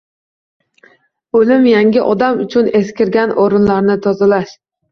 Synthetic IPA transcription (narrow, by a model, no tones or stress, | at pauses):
olɪmjaŋɡʲɪʔɒd̪amʊt͡ʃʰʊneskʲɪɾɡʲanʔoɾɪnlaɾnɪt̪ʰɒzalaʃ